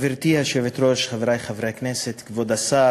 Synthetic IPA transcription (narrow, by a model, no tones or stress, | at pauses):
viɾt̪ihaʃɛvet̪ɾoʃχavɾajχavɾeaknɛset̪kvod̪asa